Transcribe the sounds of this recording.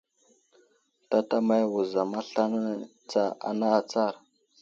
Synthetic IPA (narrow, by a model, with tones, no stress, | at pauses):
ta˦ta˦ma˦jwu˨za˨ma˦ɬa˦n˦ | t͡sa˦a̰˨na˦˨t͡sa˦˨ɾ